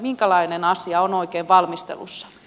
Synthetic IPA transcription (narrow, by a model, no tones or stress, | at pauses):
miŋkælɑinenɑsiɑonoikeːʋʋɑlmist̪ḛlusːɑ̥